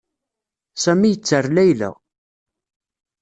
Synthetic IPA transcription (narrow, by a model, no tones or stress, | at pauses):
sæmijət͡sːərˤlæjlæ̰